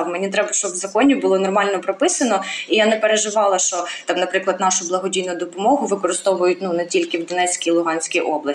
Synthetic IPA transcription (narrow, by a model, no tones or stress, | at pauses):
mɛnʲit̪ɾɛbɐʃt͡ʃɔbʋzɐkɔnʲibʊlˠɔnɔrmɑlʲnɔpɾɔpɪsɐnɔijanɛpeɾeʒɪʋɑlˠɐʃt͡ʃɔt̪ɑmnɐpɾɪklˠɐd̪nɑʃʊblˠɐɦɔdʲijnʊd̪ɔpɔmɔɦʊʋɪkɔɾɪst̪ɔʋʊjʊt̚ʲnunɛtʲilʲkɪwd̪ɔnɛt͡sʲkʲilˠʊɦɑnʲsʲkʲijʔɔblˠɐ